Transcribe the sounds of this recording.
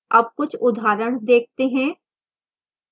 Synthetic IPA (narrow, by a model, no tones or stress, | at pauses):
ɐb̚kʊt͡ʃʰʊd̪ʱaːɾəɽ̃d̪eːk̚ʰt̪eɦɛ̃ː